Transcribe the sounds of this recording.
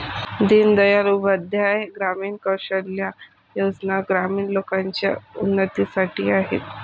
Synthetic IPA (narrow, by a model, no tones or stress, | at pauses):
d̪ind̪əjaɾuːbəd̪ʱjajɡɾamiːɳkəwɕəɽlja | jod͡znaɡɾamiːɳlokaɲt͡ɕja̰unːət̪isaʈiːaɦḛt̪